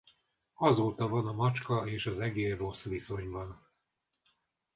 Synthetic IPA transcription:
ɒzoːt̪ɒvɒnɒmɒt͡ʃkɒeːʃɒzɛɡeːro̞sʋiso̞ɲbɒn

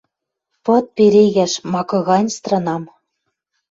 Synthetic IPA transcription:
pɤ̆t̪̚peɾeɣæʃmɑkɤ̆ɣɑnʲst̪rɤ̆nɑm

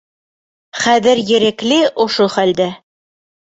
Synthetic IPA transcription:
χæðɘɾjɘ̆ɾæklɘʔŏʃoχæld̪æ

